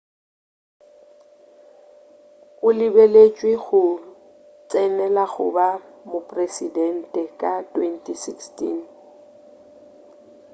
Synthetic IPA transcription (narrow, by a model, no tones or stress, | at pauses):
ʊlɪbelet͡ʃʼwɪɣʊ | t͡sʼɛnɛlaɣʊ̰bamʊpʼresidɛn̩tʼɛkʼatʼwentʼisikstḭn